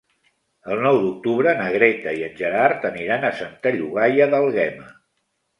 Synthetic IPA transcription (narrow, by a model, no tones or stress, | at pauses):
əlˠnɔwd̪uk̚t̪uβɾənəɣɾɛt̪əiənʲʒəɾaɾt̪əniɾanəsənt̪aʎuɣajəðəlˠɣɛmə